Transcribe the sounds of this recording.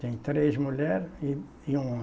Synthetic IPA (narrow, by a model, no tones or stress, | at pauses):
t̪ɛ̃j̃t̪ɾezmulɛɾi | iũ